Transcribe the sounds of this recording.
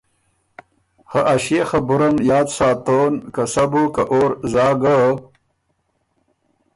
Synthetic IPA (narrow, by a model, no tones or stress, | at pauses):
haʔaɕexabuɾɐmjɑːd̪saːt̪oːnkasabukaʔoːɾzɑːɡə